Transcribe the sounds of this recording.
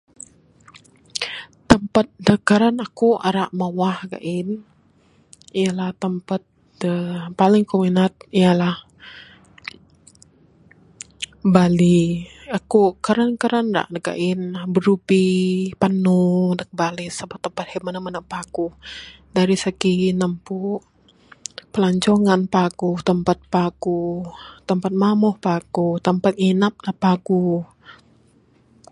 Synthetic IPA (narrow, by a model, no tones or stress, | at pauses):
t̪əmpat̪̚dəkaɾanakuʔa̰ɾaʔmawahɡa̰ʔɪn | ijalaht̪əmpat̪̚ | dəpalɪŋkominat̪̚ijalah | baliakukaɾankaɾanɾa̰ʔdəɡa̰ʔɪnbəɾupipanudak̚balɪsabat̪ːəmpat̪hɛmanamənapaɡuh | daɾisəkinəmpu | pəlaɲt͡ʃoŋanpaɡuht̪əmpat̪̚paɡuht̪əmpat̪̚mamɔhpaɡuht̪əmpat̪̚inap̚napaɡuh